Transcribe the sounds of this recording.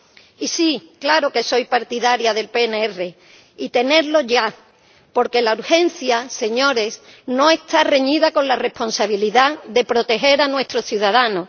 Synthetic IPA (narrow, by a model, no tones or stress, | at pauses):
isiklaɾo̞ke̞so̞jpaɾt̪iðaɾjaðe̞lpe̞neere̞ | it̪e̞ne̞ɾlo̞ʝa | po̞ɾke̞lauɾxe̞nθjase̞ɲo̞ɾe̞s | no̞e̞st̪areɲiðako̞nlarehpo̞nsaβiliðaðe̞pɾo̞t̪e̞xe̞ɾanwe̞st̪ɾo̞θjuðað̞ano̞